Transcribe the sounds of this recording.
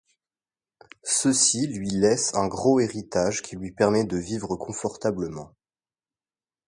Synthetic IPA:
səsilɥilɛsɛ̃ɡʁoeʁit̪aʒkʲilɥipɛʁmɛd̪əvivʁəkʰɔ̃fɔʁt̪abləmɑ̃

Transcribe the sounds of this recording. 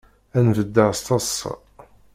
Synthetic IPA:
ænvəd̪ːəʁst̪ɑs

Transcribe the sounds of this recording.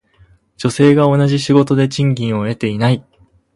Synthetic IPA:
d͡ʑo̞se̞ːɡao̞naʑiɕiɡo̞t̪o̞d̪e̞t͡ɕĩŋɡʲĩɰ̃o̞e̞t̪e̞inai

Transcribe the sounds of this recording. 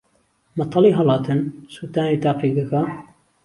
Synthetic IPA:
mɐt̪ˤʰɑliːɦɐlɑːt̪ɨnsuːt̪aːniːt̪aːpiɡɐka

